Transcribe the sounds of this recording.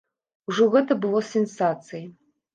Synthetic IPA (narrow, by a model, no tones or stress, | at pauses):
uʐɨɣɐtʰɐbɨlosensaːt͡sʰɨj